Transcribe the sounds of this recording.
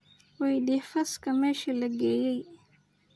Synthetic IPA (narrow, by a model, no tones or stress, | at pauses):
wɛjɖifɐskɐmɛːʃɐlɐɡeːjɛj